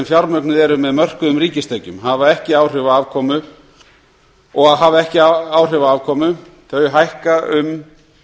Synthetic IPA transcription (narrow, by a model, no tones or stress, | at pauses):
mfjaɾmœknɪðɛɾʏmɛðmœr̥kʏʏmɾriːcɪst̪eːjcʏmɦavaɛhcɪaːwr̥ʏvaaːvkʰɔːmʏ | ɔɣaðɦavaɛhcɪaaːwr̥ʏːvaaːvkʰɔːmʏ | θœːɥjɦajhkaʏm